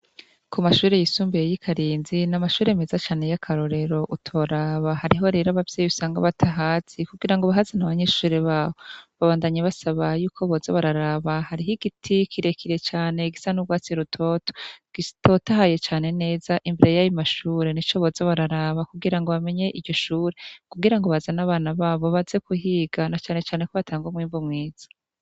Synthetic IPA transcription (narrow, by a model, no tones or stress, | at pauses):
kʰumaʃuːɾe̞jisuːmbejjikʰaɾiːnzinamaʃuːɾe̞mezat͡ʃaːne̞jakʰaɾo̞ɾe̞ɾo̞ʔutʰo̞ɾaːβahaɾiɦo̞ɾeɾaβavjeːjusaːŋɡa̰βatʰaɦaːt͡sikuɡiɾaŋɡoβaɦazenaβaɲeːʃuːɾeβaːwoβaβaːndaɲeβasaβajuːkʰo̞βozaβaɾaɾaːβahaɾiɦiɡ̥itʰikʰiɾe̞kʰiɾe̞t͡ʃaːne̞ɡisanuβɡwaːt͡siɾutʰo̞ːto̥ɡ̥ito̞taɦaje̞t͡ʃaːne̞ne̞ːzaʔimbeɾe̞jajimaʃuːɾe̞nit͡ʃo̞βozoβaɾaɾaːβakuɡiɾaŋɡo̞βame̞ɲe̞ʔiɟo̞ʃuːɾekuɡiɾaŋɡoβazanaβaːnaβaːβo̞βazekuhiːɡ̥anat͡ʃaːne̞t͡ʃaːne̞koβatʰaːŋɡomwiːmvumŋiːz̥ḁ